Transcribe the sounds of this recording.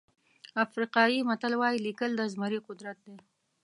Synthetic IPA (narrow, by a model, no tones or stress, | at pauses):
afɾiqɑjimat̪alwɑjilikəld̪əzmaɾiqʊd̪ɾat̪̚d̪e